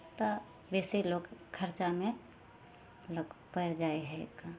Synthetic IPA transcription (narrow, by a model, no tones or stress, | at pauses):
t̪ɔ | beːseloːɡkʰːəɾt͡ʃamẽ | loːkpəd͡ʒaeɦɛ̰ka